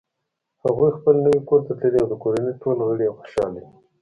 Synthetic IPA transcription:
haɣujxpəlnəwikoɾt̪at̪ləliawd̪əkoɾaneʈolɣəɽijexo̥ʃɑ̰li

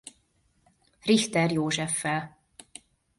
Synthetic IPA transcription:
riht̪ɛrjoːʒɛfːɛl

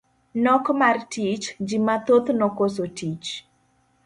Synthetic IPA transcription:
nɔkmartit͡ʃd͡ʒimat̪ot̪nɔkos̬otit͡ʃ

